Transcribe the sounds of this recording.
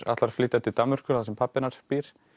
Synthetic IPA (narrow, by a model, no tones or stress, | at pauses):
a̰t̪laɾ̥flɪːt̪at̪ʰɪlt̪amːʏr̥kʏaθasɛmpʰapːɪnaɾ̥piɾ̥